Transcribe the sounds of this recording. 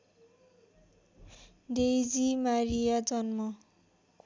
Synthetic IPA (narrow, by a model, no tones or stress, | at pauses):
dejd͡zimaɾijad͡zʌnmʌ